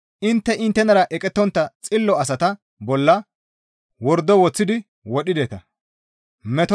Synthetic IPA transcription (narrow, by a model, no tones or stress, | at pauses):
ʔɪnt̪ːɛʔɪnt̪ːɛnɐɾɐʔɛkʼɛt̪ːɔnt̪ːɐt͡sʼɪlːɔɐsɐt̪ɐ | bɔlːɐ | wɔɾd̪ɔwɔt͡sːɪd̪ɪ | wɔɗːɪd̪eːt̪ɐ | mɛt̪ɔ